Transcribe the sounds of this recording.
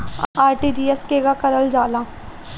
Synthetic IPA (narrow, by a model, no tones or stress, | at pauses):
aːɾʈiːd͡ʒiːɛskeːɡakɐɾəld͡ʒaːlaː